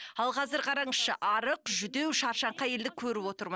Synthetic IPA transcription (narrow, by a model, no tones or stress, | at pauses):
ɑlˠqʰɑzɪɾqʰɑɾɑɴəsʃə̰ʔɑɾəqʒʏd̪ewʃɑɾʃɑɴqɑje̞ld̪ɪkʲʰɵɾɪpwo̞t̪əɾmən